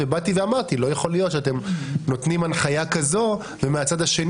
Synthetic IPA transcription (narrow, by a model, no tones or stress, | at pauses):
ebat̪iveamaʁt̪ilo̞jeχo̞lijotʃeat̪e̞mno̞t̪nimanχajakazo̞ | vemeat͡sad̪aʃe̞n